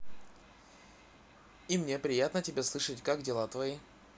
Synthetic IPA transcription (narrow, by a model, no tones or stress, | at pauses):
imnʲe̞pɾʲɪjat̪nətʲɪbʲeslˠɨʂətʲkaɡdʲɪlˠat̪vɐi